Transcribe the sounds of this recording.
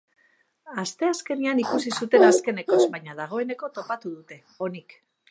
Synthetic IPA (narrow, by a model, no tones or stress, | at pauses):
ast̪e̞aske̞nianikusisut̪e̞naske̞ne̞ko̞zbajɲaðaɣ̞o̞e̞ne̞ko̞t̪o̞pat̪uðut̪e̞ | o̞nik